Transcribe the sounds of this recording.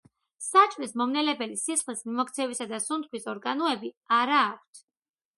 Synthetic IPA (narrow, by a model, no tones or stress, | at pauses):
sat͡ʃʼvɾismɔmnɛlɛbɛlisisχlismimɔkt̪sʰɛvisad̪asunt̪̚ʰwisɔɾɡanɔɛbiaɾaːk̚ʷʰt̪ʰ